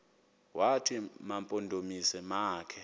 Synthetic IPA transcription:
watʰimampʼondʱomisɛmaːkʰɛ

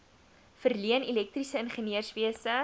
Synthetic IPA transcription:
fərliənilɛk̚trisəənχəniərsviəsə

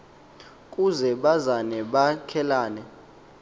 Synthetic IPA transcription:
kʼuzɛɓazanɛɓakʰɛlaːnɛ

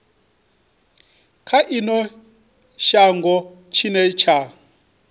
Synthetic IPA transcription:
kʰaʔinɔ | ʃaŋɡɔ | t͡ʃʰinɛt͡ʃʰa

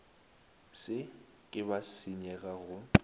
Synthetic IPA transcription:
sɪ | kʼɪbasɪɲɛɣaɣʊ

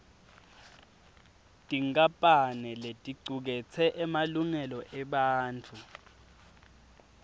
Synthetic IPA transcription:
tʼiŋkʼapʼanɛletʼiǀʱuk̬ɛt͡sʰɛʔɛmaluŋɛlɔʔɛɓaːnt͡fʰu

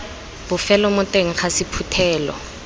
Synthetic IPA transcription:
b̥ʊfɛlɔmʊtʼeŋ̩χasɪpʰutʰɛːlɔ̰

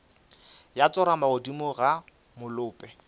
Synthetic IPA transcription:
jat͡sʼɔɾamaʊdimʊɣa | mʊlʊːpʼɛ

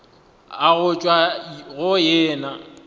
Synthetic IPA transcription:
aɣʊt͡ʃʼwaɣʊjɛːna

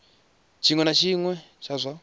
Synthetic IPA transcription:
t͡ʃʰiŋwɛnat͡ʃʰiŋwɛ | t͡ʃʰazʷa

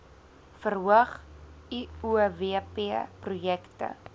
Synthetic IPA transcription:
fərɦuəχiuveəpeəprujɛktə̰

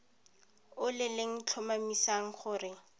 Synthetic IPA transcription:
ʊlɪlɪŋ̩t͡ɬʰʊmamisaŋ̩χʊːrɪ

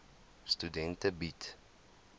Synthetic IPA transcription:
studɛntəbit

